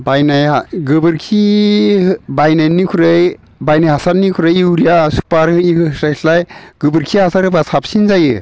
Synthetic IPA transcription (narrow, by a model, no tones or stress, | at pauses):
bajnajɡɯbɯɾkʰi | bajnajnikʰuɾɯj | bajnajɦasaɾnikʰuɾɯjiwɾijasu̥paɾɯisɾasʰlajɡ̥ɯbɯɾkʰiɦasaɾɯbasʰapsinzajɯ̰